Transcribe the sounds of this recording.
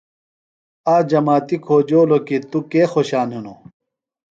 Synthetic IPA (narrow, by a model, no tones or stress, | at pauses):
aːd͡ʑɐmaːt̪ikʰoːd͡ʑoːlokit̪ukeːxoɕaːnɦino